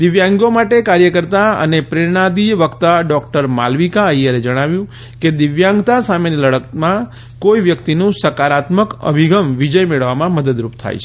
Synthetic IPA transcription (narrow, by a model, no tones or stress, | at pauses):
d̪iʋjãŋɡjomaʈekaɾjəkəɾt̪aə̰nepɾeɽ̃ad̪iʋəkt̪aɖɔkʈəɾma̰lʋikaəjjaɾed͡ʒəɽ̃aʋjũ | ked̪ɪʋjãŋɡt̪asameniləɽəkmã | koiʋjəkt̪inũsəkaɾat̪məkə̰bʱiɡəmʋid͡ʒəjmeɭəʋamãməd̪əd̪ɾupt̪ʰa̰jt͡ʃʰ